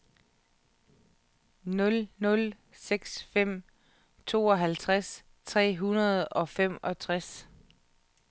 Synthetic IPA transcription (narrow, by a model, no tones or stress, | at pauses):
nɔ̽lnɔ̽l | seɡ̥sfem̰ | t͡sʰo̝ːɒ̽ɦælt͡sʰʁas | t͡sʰʁɛ̰ːɦunɐð̞̩ˠɒ̽fem̰ɒ̽t͡sʰʁas